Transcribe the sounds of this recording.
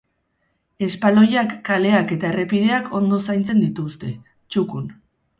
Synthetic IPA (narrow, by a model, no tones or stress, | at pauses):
e̞spalo̞jakːale̞ake̞t̪ae̞re̞pið̞e̞akʰo̞nd̪o̞sajnt͡se̞nd̪it̪ust̪e̞ | t͡ʃukun